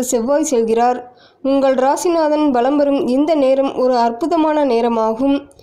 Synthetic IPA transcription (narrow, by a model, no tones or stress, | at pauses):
ɯsɛʋːaːjsɛlɣɪraːɾ | ʊŋɡɐɭɾaːsɪnaːðɐnbɐlɐmbɐɾɯmɪnd̪ɐneːɾɐmʔɔɾɯɐrpɯðɐmaːnɐneːɾɐmaːɣɯm